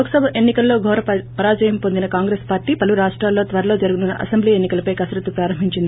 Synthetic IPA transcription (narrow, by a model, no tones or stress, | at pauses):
oksɐbʱɐʔe̞nːikɐlːo̞ːɡʱɔːɾɐpɐɾaːd͡ʒɐjɐmpo̞nd̪inɐkaːŋɡɾeːspaːɾʈːiːpɐluɾaːʂʈɾaːlːo̞ːt̪ʋɐɾɐlo̞ːd͡ʒɐɾuɡununːɐʔɐ̰sembliːe̞nːikɐlɐpɐjkɐsɾɐt̪ːupɾaːɾɐmbʱiɲt͡ʃind̪i